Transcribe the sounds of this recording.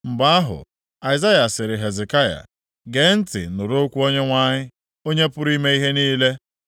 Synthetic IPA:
m̩˨ɡ͡ba˦a˦ɦʊ̰˨ | a˨ɪ˨za˦ja˨sɪ˨ɾɪ˨ɦe˨ze˨ka˦ja̰˨ | ɡe˨˦n̩˦tɪ̰˨nʊ˨ɾo˦kʷu˦o˦ɲe˦ŋʷa˦ɲɪ˦ | o˦ɲe˦pʊ˦ɾi˦me˦i˦ɦe˦niː˦le˦

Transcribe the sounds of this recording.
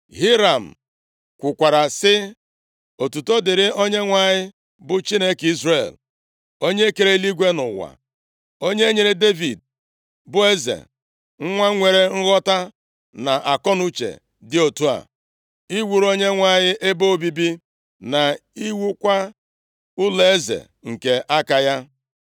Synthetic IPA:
ɦi˦ɾa˨m̩˨ | kʷʊ˨kʷa˨ɾa˨sɪ˦ | o˨tu˨to˦dɪ˨ɾɪ˦o˦ɲe˦ŋʷa˦˨ɲɪ˦ | bʊ˨t͡ʃi˦ne˦ki˦zre˨l | o˦ɲe˦e˦ke˨ɾe˦li˦ɡʷe˦nʊ̰˨wa̰˨ | o˦ɲe˦ɲe˨ɾe˦de˦vḭ˨d̚ | bʊ˦e˦zḛ˨ | ŋ̩˦ŋʷa˦ŋʷe˨ɾe˨ŋ̩˦ɣɔ˦ta˦ | na˨ʔa˨kɔ˦nu˦t͡ʃḛ˨ | dɪ˦o˨tu˦a̰˨ | i˦wu˨ɾo˦ɲe˦ŋʷa˨ɲɪ˦ʔe˦bo˦o˦bi˦bi˦ | na˨i˦wu˦kʷa˦ | ʊ˦le˦e˦zḛ˨ | ŋ̩˨ke˨ʔa˦ka˨ja˦

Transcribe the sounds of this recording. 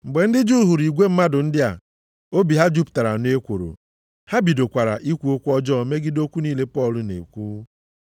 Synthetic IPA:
m̩˨ɡ͡be˨n̩˦dɪ˦d͡ʒu˦˨ɦu˨ɾi˨ɡʷe˦m̩˦ma˦dʊ˨n̩˦dɪ˦a̰˨ | o˦bi˨ɦa˦d͡ʒu˦pta˨ɾa˨n˦e˦kʷo̰˨ɾo̰˨ | ha˦bi˨do˨kʷa˨ɾa̰˨ʔi˦kʷu˨˦o˦kʷu˦ɔ˦d͡ʒɔ˦˨me˦ɡɪ˦do˦kʷu˦niː˦le˦pɔ˦˨lʊ˨nḛ˨kʷu˦

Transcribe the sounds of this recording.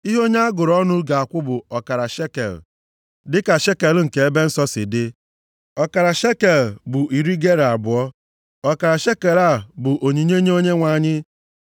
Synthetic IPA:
i˦ɦo˦ɲe˦a˦ɡʊ˨ɾɔ˦nʊ˦ɡa˨a˨kʷʊ˦bʊ˨ɔ˨ka˨ɾa˨ʃe˦kḛ˨l | dɪ˦ka˨ʃe˦ke˨lŋ̩˨ke˨˦e˦be˦n̩˦sɔ˦sɪ˨dɪ˦ | ɔ˦ka˨ɾa˨ʃe˦ke˨lbʊ˨ʔi˨ɾi˦ɡe˦ɾa˨bʊ˨ɔ˦ | ɔ˨ka˨ɾa˨ʃe˦ke˨la˦˨bʊ˨ʔo˨ɲi˨ɲe˦ɲe˦o˦ɲe˦ŋʷa˨ɲɪ˦

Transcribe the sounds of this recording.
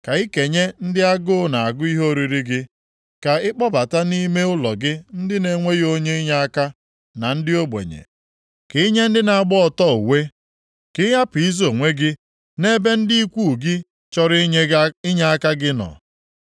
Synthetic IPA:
ka˨i˦ke˨ɲe˦n̩˦dɪ˦a˦ɡʊ˦na˨a˨ɡʊ˦i˦ɦo˦ɾi˨ɾi˦ɡɪ˦ | ka˨ɪ˦k͡pɔ˦ba˨ta˦ni˦me˦ʊ˦lɔ˨ɡɪ˦n̩˦dɪ˦ne˨ŋʷe˦jo˦ɲe˦i˦ɲa˦a˦ka˦ | na˨n̩˦dɪ˦o˦ɡ͡bḛ˨ɲḛ˨ | kɪ˦ɲe˦n̩˦dɪ˦na˨a˨ɡ͡bɔ˦ɔ˨tɔ˦u˨we˦ | kɪ˦ja˦pi˦zo˨ŋʷe˦ɡɪ˦ | ne˦be˦n̩˦di˦i˦kʷu˦˨ɡɪ˦ | t͡ʃɔ˦ɾɪ˦ɲe˦ɪ˦ɲa˦a˦ka˦ɡɪ˦nɔ̰˨

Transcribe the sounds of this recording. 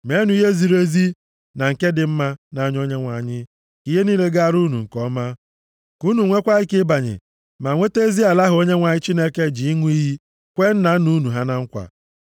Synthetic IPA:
me˦nu˨i˦ɦe˦zi˨ɾe˦zi˦ | na˨ŋ̩˨ke˦dɪ˨m̩˦ma˦na˨˦˨ɲ˦o˦ɲe˦ŋʷa˨ɲɪ˦ | ki˦ɦe˦niː˦le˦ɡa˦a˨ɾu˦nṵ˨ŋ̩˨kɔ˦ma˦ | ku˦nu˨ŋʷe˦kʷa˦ɪ˦kɪ˦ba˨ɲɪ̰˨ | ma˨ŋʷe˦te˦zi˦a˨la˦ɦʊ˨o˦ɲe˦ŋʷa˨ɲɪ˦t͡ʃi˦ne˦ke˦d͡ʒi˨i˦ŋʷ˦i˦ɦi˦ | kʷe˦n̩˦na˨˦nu˦nu˨ɦa˦na˦ŋ̩˦kʷa̰˨

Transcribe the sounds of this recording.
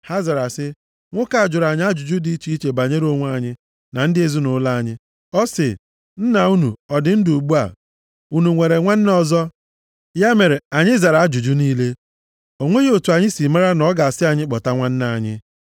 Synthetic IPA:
ha˦za˨ɾa˨sɪ˦ | ŋʷʊ˦ka˨a˨d͡ʒʊ˨ɾa˨ɲɪ˦a˦d͡ʒʊ˨d͡ʒu˦di˦t͡ʃi˦i˦t͡ʃe˨ba˨ɲe˦ɾo˦ŋʷ˦a˨ɲɪ˦ | na˨n̩˦dɪ˦e˦zi˦nʊ˨˦la˦a˨ɲɪ˦ | ɔ˦sɪ˨ | n̩˦na˨u˦nu˨ɔ˨dɪ˨n̩˦du˨ɡ͡bu˦a̰˨ | u˦nu˨ŋʷe˨ɾe˨ŋʷa˦n̩˦n˦ɔ˦zɔ˦ | ja˦me˨ɾe˨a˨ɲɪ˦za˨ɾa˨a˦d͡ʒu˨d͡ʒu˦niː˦le˦ | o˨ŋʷe˦ɣe˦o˨tu˨a˨ɲɪ˦si˨ma˦ɾa˦nɔ˦ɡa˨a˨sɪ˦a˨ɲɪ˦k͡pɔ˨ta˦ŋʷa˦n̩˦na˨ɲɪ̰˦

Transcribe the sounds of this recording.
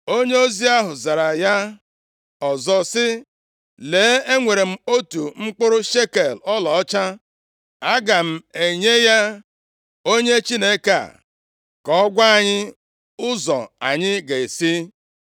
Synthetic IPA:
o˦ɲe˦o˦zi˦a˦ɦʊ˨za˨ɾa˨ja˦ | ɔ˨zɔ˨sɪ˦ | leː˨˦e˦ŋʷe˨ɾe˨m̩˦o˦tu˨ŋ͡m̩˦k͡pʊ˦ɾʊ˦ʃe˦ke˨lɔ˦lɔ˨ɔ˦t͡ʃa˦ | a˦ɡa˨m̩˨e˨ɲe˦ja˦ | o˦ɲe˦t͡ʃi˦ne˦ka˦a̰˨ | kɔ˨ɔ˦ɡʷa˦a˨ɲɪ˦ | ʊ˦zɔ̰˨a̰˨ɲɪ˦ɡe˨e˨si˦

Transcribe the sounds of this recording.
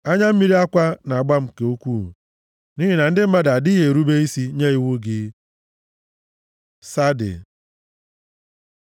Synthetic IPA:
a˦ɲa˦m̩˦mi˦ɾi˦a˦kʷa˦na˨a˨ɡ͡ba˦m̩˨ke˨o˦kʷu˦˨ | ni˦ɦi˦na˨n̩˦dɪ˦m̩˦ma˦da˨dɪ˦ɦe˨ɾu˦be˦i˦si˦ɲe˦i˦wʊ˦ɡɪ˦ | sa˦dɪ̰˨

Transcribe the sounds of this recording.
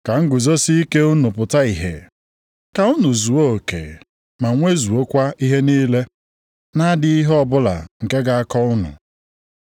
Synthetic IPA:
ka˨ŋ̩˦ɡʊ˨zo˦si˦i˦ke˦u˦nʊ˨pʊ˨ta˦i˨ɦḛ˨ | ka˨ʊ˦nʊ˨zu˨o˦o˨kḛ˨ | ma˨˦ŋʷe˦zu˨o˦kʷa˦i˦ɦe˦niː˦le˦ | na˦dɪ˦i˦ɦɔ˨bʊ˦la̰˨ŋ̩˨ke˦ɡa˨a˦kɔ˦ʊ˦nʊ̰˨

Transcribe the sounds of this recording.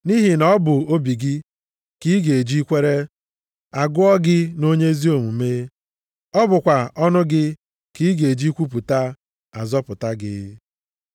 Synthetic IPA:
ni˦ɦi˨nɔ˨˦bʊ˨o˦bi˨ɡɪ˦ | ki˦ɡe˨d͡ʒi˦kʷe˦ɾe˦ | a˨ɡʊ˦ɔ˦ɡɪ˦no˦ɲe˦zi˦o˨ŋu˨meː˦ | ɔ˦bʊ˨kʷa˨ʔɔ˦nʊ˦ɡɪ˦ | ki˦ɡe˨d͡ʒi˦kʷu˦p̬u˨ta˦ | a˨zɔ˦pʊ˨ta˦ɡɪ̰˦

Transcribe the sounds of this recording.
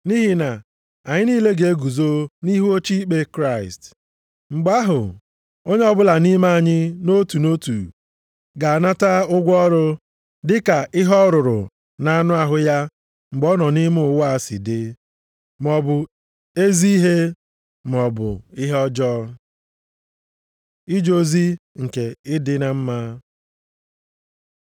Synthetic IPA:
ni˦ɦi˨na˨ | a˨ɲɪ˦niː˦le˦ɡe˨e˦ɡu˨zo˦ni˦ɦu˦o˦t͡ʃi˦k͡pe˦kɾa˦˨ɪ˨st | ŋ͡m̩˨ɡ͡ba˦ɦʊ˨ | o˦ɲe˦ɔ˦bʊ˦la˨ni˦ma˦a˨ɲɪ˦no˦tu˨no˦tṵ˨ | ɡa˨a˨na˦ta˦ʊ˦ɡʷɔ˦ɾʊ˦ | dɪ˦ka˨ɪ˦ɦɔ˦ɾʊ˨ɾʊ̰˨ | na˦nʊ˦a˨ɦʊ˦ja˦ | ŋ͡m̩˨ɡ͡bɔ˦nɔ˨ni˦m˦ʊ˨wa˨sɪ̰˨dɪ˦ | m˨ɔ˨bʊ˨ | e˦zi˦i˦ɦe˦ | m˨ɔ˨bʊ̰˨ɪ˦ɦɔ˦d͡ʒɔ˦ | i˦d͡ʒo˦zi˦ŋ̩˨ke˨ɪ˦dɪ˦na˦m̩˦ma˦

